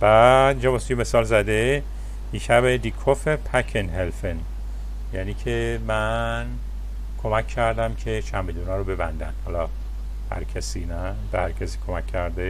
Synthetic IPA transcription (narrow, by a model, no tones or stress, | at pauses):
b̥æd̪ind͡ʒɒbɒst̪ujeme̞sɒːlzæd̪e | iʃæbed̪ikʰofepʰækʰenɦelfen | jæniːcʰemæn | kʰomækʰːæɾd̪æmcʰe̞t͡ʃʰæmbed̪unɒːɾobe̞bænd̪æ̰n̥hɒlɒ | hæ̰ɾcʰæsiːnæ | behæɾcʰæsiːkʰomækʰːæɾd̪e